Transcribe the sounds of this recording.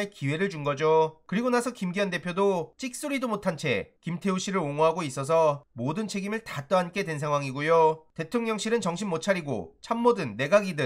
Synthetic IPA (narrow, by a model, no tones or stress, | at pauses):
ekiwe̞ɾɯɭt͡ɕuŋɡʌd͡ʑokɯɾiɡonasʰʌkimɡiʌnde̞pʰjodot͡ɕ͈ik̚s͈uɾidomotʰant͡ɕʰe̞̰kimtʰe̞uɕ͈ʰiɾɯɾoŋoɦaɡois͈ʌs̬ʰʌmodɯnt͡ɕʰe̞ɡimɯɭtat͈ʌɦank͈e̞dwe̞ns̬ʰaŋɦwaŋiɡujote̞tʰoŋɲʌŋɕʰiɾɯnt͡ɕʌŋɕʰinmot͡ɕʰaɾiɡo̰t͡ɕʰamːodɯnːe̞ɡaɡidɯ